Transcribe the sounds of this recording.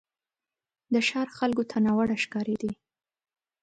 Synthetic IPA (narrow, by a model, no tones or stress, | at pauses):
d̪əʃɑɾxalkot̪ʰanɑwaɽaʃkɑɾed̪i